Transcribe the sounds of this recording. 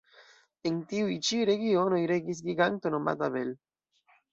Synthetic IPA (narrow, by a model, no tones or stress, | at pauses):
ent̪iuit͡ʃiɾeɡionojɾeɡis̬ɡiɡant̪onoma̰t̪aβel